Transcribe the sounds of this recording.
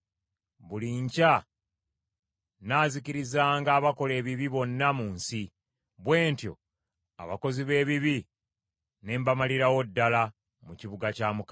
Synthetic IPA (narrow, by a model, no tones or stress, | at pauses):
βuliɲca | naːziciɾizaːŋɡaːβako̞le̞ːβiβiβo̞nːamuːnsi | βwe̞ːntjo̞̰ | a̰βa̰ko̞ziβe̞ːβiβi | ne̞ːmbamaliɾawo̞dːala | muciβuɡacaːmuka